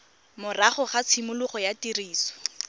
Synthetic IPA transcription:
mʊraχʊχat͡sʰimʊlʊχɔjatiriːsɔ̥

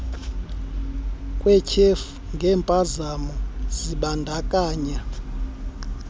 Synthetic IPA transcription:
kʼwɛcʰefu̥ŋɡʱɛːmpʼazamɔziɓandʱakʼaːɲa

